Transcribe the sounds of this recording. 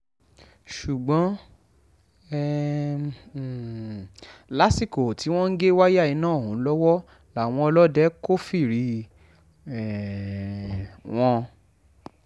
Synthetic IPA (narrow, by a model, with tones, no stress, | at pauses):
ʃu˨ɡ͡bɔ̃˨˦ | ɛ˨ | la˦si˦˨ko˨ti˨˦w̃ɔ̃˦n̩˦ɡe˦wa˦ja˦˨i˨˧˦nãː˦˨hũ˨˦lɔ˦wɔ˦ | la˨w̃ɔ̃˧ɔ˧lɔ˦dɛ˦ko˦fi˦˨ɾi˨˦ | ɛ˨ | w̃ɔ̃˧